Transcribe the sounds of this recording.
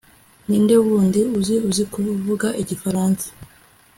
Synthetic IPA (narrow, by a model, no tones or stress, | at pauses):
niːnde̞uβuːndiuziuzikuvuɡaʔiɟifaɾaːnsḁ